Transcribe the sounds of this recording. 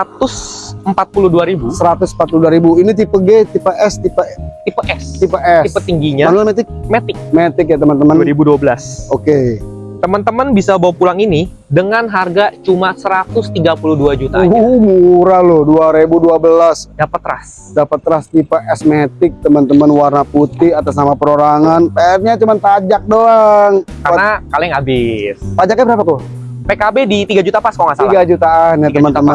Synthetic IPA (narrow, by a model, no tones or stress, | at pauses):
at̪ʊsəmpat̪̚puluhduaɾibusəɾat̪ʊsəmpat̪̚puluduaɾibuinit̪̬ipəɡet̪ipeʔɛst̪ipət̪ipəʔɛst̪ipaɛiət̪iŋɡiɲamanulamet̪ɪk̚met̪ɪk̚met̪ɪk̬jat̪əmənt̪əmənaɾibuduabəlasoket̪əmənt̪əmənbisabawapulaŋini | dəŋanɦarɡat͡ʃumasəɾat̪ʊst̪iɡapulʊhduad͡ʒut̪amuɾalʊhduaɾebuduabəlasdapət̪ːɾa̰s | dapət̪ːɾast̪ipaʔɛsmet̪ɪk̚t̪əmənt̪əmənwarnaput̪ɪhat̪asnamapəɾoɾaŋanpatɲat͡ʃumanpad͡ʒak̚doŋkarnakalɪŋabɪspad͡ʒak̚ɲabəɾapako | pekabedit̪iɡad͡ʒut̪apaskɔŋasailaɡad͡ʒut̪anat̪əmənt̪əmə